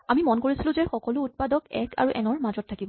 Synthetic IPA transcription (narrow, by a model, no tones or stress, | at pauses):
amimɔnkoɹisilʊ̃zɛxɔkɔlʊːt̚padɔkɛkʰa̰ɹuʔɛ̰nɔɹmazɔtʰːakibɔ